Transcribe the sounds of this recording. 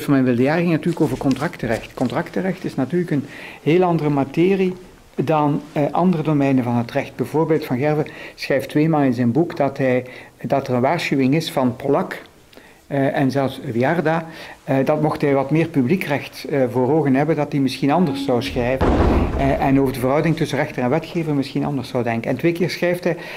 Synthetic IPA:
tfɑnmɛnʋɪlˠdəjaːrəɣɪŋnɑtyːrləkoːvərkɔntrɑktərɛxtkɔntrɑktərɛxtɪsnatyːrləkənɦeːlˠɑndərəmatɪːri | dɑnʔɑ̰ndərədomɛjnəvɑnɦətrɛxt̚bɛvoːɹbeːlˠtfɑnɣɛrvəsxrɛjftʋeːmaːlˠɪnzɛjnbukdɑtɦɛjdɑtərənʋaːrsxyʋɪŋɪsfɑnpolɑk | ʔɛnzɛlˠfsʋiɑrdaːdɑtmɔxtɦɛjʋɑtmɪːrpyblikrɛxtvoːroːɣənɦɛbəndɑtdimɪsxinɑndəɹsɑwsxrɛjvənʔɛnoːvədəvərɦɑwdɪŋtɵsərɛxtənɛnʋɛtxeːvənmɪsxinɑ̰ndəɹsɑwdɛŋkənɛntʋeːkɪːɹsxrɛjftɦɛj

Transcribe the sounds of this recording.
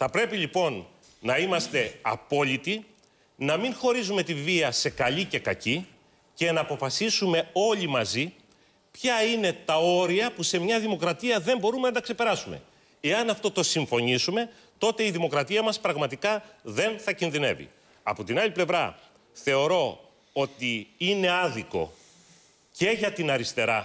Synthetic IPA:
θɐpɾe̞piʎipo̞nː | ɐimɐst̪e̞ɐ̰po̞ʎit̪i | nɐmiŋxo̞ɾizume̞t̪iviɐse̞kɐʎice̞kɐci | ce̞nɐːpo̞fɐsisume̞o̞ʎimɐzi | pçɐine̞t̪ɐo̞ɾiɐpuse̞mɲɐðimo̞kɾɐt̪iɐðe̞mbo̞ɾume̞nɐt̪ɐkse̞pe̞ɾɐsume̞̰ | e̞ɐnɐft̪o̞t̪osiɱfo̞ɲisume̞ | t̪o̞t̪e̞iðimo̞kɾɐt̪iɐmɐspɾɐɣmɐt̪ikɐðe̞nθɐcinðine̞̰vḭ | ɐ̰po̞t̪inɐliple̞vɾɐ | θe̞o̞ɾo̞ | o̞t̪iine̞ɐðiko̞̰ | ce̞ʝɐt̪inɐɾist̪e̞ɾɐ

